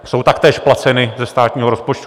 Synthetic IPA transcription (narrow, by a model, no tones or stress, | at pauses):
so̞wt̪akt̪ɛːʃplat͡sɛnɪzɛst̪aːt̪ɲiːɦoɾospot͡ʃt̪u